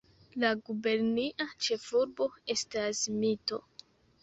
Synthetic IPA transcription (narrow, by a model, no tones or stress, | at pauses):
laɡube̞ɾniʔat͡ʃe̞fuɾbo̞e̞stasmito̞̰